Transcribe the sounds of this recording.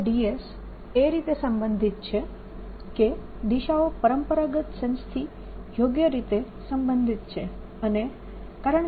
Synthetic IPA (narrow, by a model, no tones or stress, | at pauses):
ɖies | eɾit̪esəmbə̃nd̪ʱit̪̚t͡ʃʰe | ke | d̪iʃaopəɾəmpəɾaɡət̪sə̃ñst̪ʰi | joɡjəɾit̪e | səmbənd̪ʱit̪̚t͡ʃʰe | əne | kaɾəɳ